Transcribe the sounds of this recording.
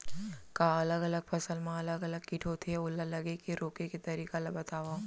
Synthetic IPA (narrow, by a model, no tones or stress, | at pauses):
kaɐləɡɐləɡ̚pʰɐsəlmẽɐləɡɐləɡ̚kɪʈʰoːt̪ʰeʊlːalɐɡekeɾoːkeket̪ɐɾiːkalabɐt̪aːʋa